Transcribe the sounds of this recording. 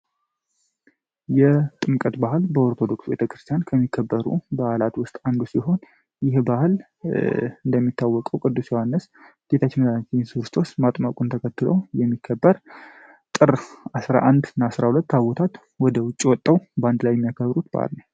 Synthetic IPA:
jɛt̪ʼɨmkʼət̪bahlbəoɾt̪ʰo̞d̪o̞ksubet̪ʰəkɾɨst̪ʰjankʰəmːikʰːəbːəɾṵbahlat̪wʊst̪ʼand̪usiɦo̞n | jɪhbahl | ɨnd̪əmːit̪ːawːɔkʼəwkʼɨd̪ːusjɛwanːəs | d̪̥et̪ʰat͡ʃːməzant͡ʃinsɨɾɨst̪ʰo̞smat̪ʼmakʼunt̪ʰəkʰət̪ːɨlo̰wjɛmːikʰːəbːəɾ | t̪ʼɨɾasɾa̰ʔand̪ɨnːaːsɾahulət̪ːaβot̪ʰat̪ | wɔd̪əwʊt͡ʃʼːiwɔt̪ʼːəwbəand̪lajɛmːijakʰəβɾut̪ba̰hlnəw

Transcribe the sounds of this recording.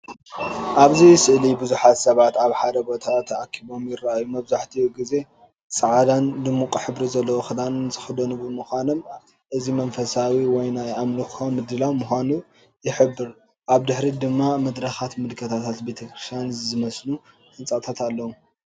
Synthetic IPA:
ʔaβzijsɨʔlibɨzuħat̪sɐβat̪aβħad̪ɐbo̞t̪ʰat̪ʰːʔakʰːiβo̞mjɪrːaʔajumɐβzaħt̪ʰiɡize̞ | t͡sʼɨʕad̪and̪ɨmːukʼħɨβɾizɐlːɐwoxɨd̪anɨnzʰɨ̥xɨd̪onubɨmɨxʷanom | ʔɨzimɐnfɐsawiwɔjnajʔamluxomːɨd̪ɨlawmuxʷanu | jɪħɨbːɨɾ | ʔaβd̪ɨħɾid̪ɨmːamɐd̪ɾɐxat̪mɨlkʰɐt̪ʰat̪ʰat̪be̞t̪ʰɐkɾɨst̪ʰjanzɨmɐslu | hɨnt͡sʼat̪ʰat̪ʰalːɐwu

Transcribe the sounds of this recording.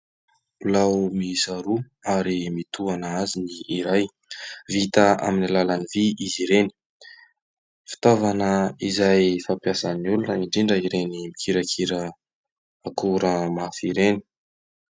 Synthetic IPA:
lawmisaɾu | aɾimit̪uanəaziniːɾaj | vit̪aa̰minilalaniviiziɾeni̥ | fi̥t̪ovanəizajfampjasanulunaiɳɖ͡ʐiɳɖ͡ʐəiɾenimikʰiɾakʰiɾəː | kuɾəmafiɾeni̥

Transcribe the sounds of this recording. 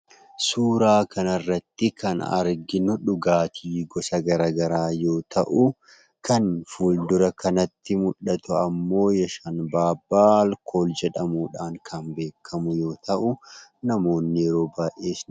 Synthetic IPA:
suːɾaːkʰɐnɐrːɐt̪ːɪkʰɐnɐ̰ɾɡɪnʊᶑʊɡaːt̪ʰiːɡɔsɐɡɐɾaːɡɐɾaːjo̞ːt̪ʰɐʔʊ | kʰɐnfuld̪ʊɾɐkʰɐnɐt̪ːɪmʊᶑːɐt̪ʊɐmːo̞ːjɛʃanbaːbːaːlkʰo̞ːld͡ʒɛᶑɐmuːᶑaːŋkʰɐnbe̞ːkʰːɐmʊjo̞ːt̪ɐʔʊnɐmo̞ːnːɪɾo̞ːbaːjʔe̞ːsnɪ

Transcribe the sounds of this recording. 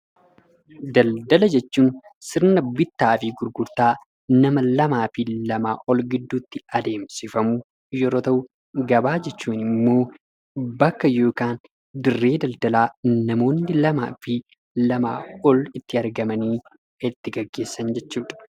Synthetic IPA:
d̪ɐld̪ɐlɐd͡ʒɛt͡ʃːuːnsɪɾnɐbɪt̪ːaːfɪɡʊɾɡʊɾt̪aː | nɐmɐlɐmaːfɪlɐma̰ːʔɔlɡɪd̪ːuːt̪ːɪɐd̪e̞ːmsɪfɐmʊ | jɛɾo̞ːt̪ɐʔʊ | ɡɐbaːd͡ʒɛt͡ʃːuːnɪmːo̞ː | bɐkːɐjo̞ːkaːn | d̪ɪrːe̞ːd̪ɐld̪ɐlaːnɐmo̞ːnːɪlɐma̰ːfɪ | lɐma̰ːɔlɪt̪ːɪɐɾɡɐmɐniː | ɪt̪ːɪɡɐɡːe̞ːsːɐnd͡ʒɛt͡ʃːuːᶑ̪ɐ̥

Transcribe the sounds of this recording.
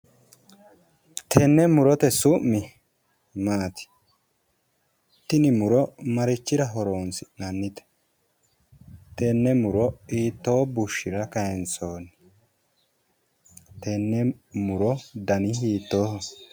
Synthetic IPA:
t̪ʰɛnːɛmʊɾɔt̪ɛsʊmːɪ | maːt̪ɪ̥ | t̪ːɪnɪmʊɾɔmɐɾɪt͡ʃːɪɾɐɦɔɾoːnsɪnɐnːɪt̪ɛ̥ | t̪ɛnːɛmʊɾɔiːt̪ːo̞ːbʊʃːɪɾɐkɐjɛnt͡soːnɪ | t̪ɛnːɛmʊɾɔd̪ɐnɪɦiːt̪ːoːhɐ

